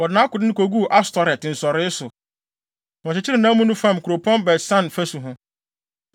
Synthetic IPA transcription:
wɔ˨ɪ˨nã˦kʊ˨dɪ˦nɪ̃˦kʰo˨ɡu˦˨ʔa˦stɔ˨ɾɛ˨tn̩˨sɔ˨ɾɪ˦sʊ˨ | wɔ̃˨t͡ɕɪ˨t͡ɕʰɪ˦ɾɪ˨nã˦mũ˦nũ˦fã˦˨m˨kʰʊ˨ɾo˨pʰɔ̃˦nbɛ˨sã˦nfæ˦su˨ɦʊ̃˦

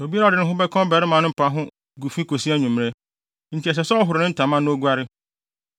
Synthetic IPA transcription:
o˨bi˦a˦ɾa˨ɪ˦nʊ̃˦ɦʊ̃˦bɛ˦kʰɔ̃˦bɛ˨ɾɪ˦mã˨˦nʊ̃˦m̩˦pʰa˦ɦʊ̃˦ | ɡu˨fi˦kʰo˨si˦æ˦˨ɲũ˨m˨ɾe˦ | ɲ̩˨t͡ɕʰi˨ɛ˨s̬ɛ˨sɛ˦ɔ˦ɦʊ˨ɾnʊ̃˦n̩˦tʰã˨mã˦nʊ̃˦o˦ɡu˦a˦ɾɪ˦

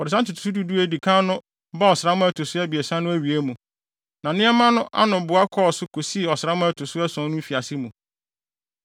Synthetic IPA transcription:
wɔ˨ɾɪ˨s̬ã˦tʰʊ˨tʰu̥˨˦u˦du˦du˦e˦di˨kʰã˦nʊ̃˦ | ba˦ɔ˨sɪ˨ɾa˦mʊ̃˦æ˦tʰʊ˨sʊ˦ɛ˦bi˨ɛ˨sã˦nʊ̃˦æ˦ɥi˨æ˦mũ˨ | nã˨nɪ̃˦ɛ˦mã˦nʊ̃˦ʔa̰˦nʊ̃˨bʊ˨a˦kʰɔ˦ɔ˨sʊ˦kʰo˨si˦˨ɔ˨sɾa˦mʊ̃˦ɛ˦tʰʊ˨sʊ˦ɛ˦sɔ̃˨˦nʊ̃˦fi˨a˨sɪ˦mũ˨

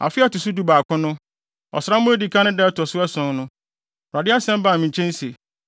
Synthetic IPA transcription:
a̰˨fɪ˦a˦tʊ˨su˦du˦baː˨kʰʊ̃˦nʊ̃˦ | ɔ̰˨sɾa˦m˦mʊ̃˦e˦di˨kʰã˦nʊ̃˦dɛ˦tʰɔ˨sʊ˦ɛ˦sʊ̃˨ŋnʊ̃˦˨ | a˨dɪ˦a˦sɛ̃˦m˦ba˨mĩ˨ɲ˨t͡ɕʰɛ̃˦n̩˦se˨

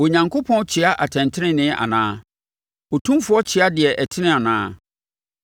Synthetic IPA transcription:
o˨ɲã˨ŋkʰo˦pʰɔ̃˦n˦t͡ɕʰɪ˨a˦ʔa˨tʰɛ̃˨ntʰɪ˦nɪ̃˦nɪ̃˦a̰˨nã̰ː˦ | o˨tʰũ˦m˦fʊ˨˦ɔ˦t͡ɕʰɪ˨a˦dɪ˨ɛ˨ʔɛ˨tʰɪ̃˦nɪ̃˦a˨nãː˦

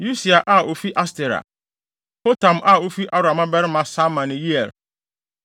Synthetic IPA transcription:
ju˦si˨a˨ʔa˦ʔo˨fi˦ʔa˦stɛ˨ɾa̰˨ | po˦tʰã˨mʔa˦˨o˦fi˦ʔa˦ɾa˨mã˦bɛ˦ɾɪ˦mã˨sa˦mã˨nɪ̃˨ji˦ɛ˨l

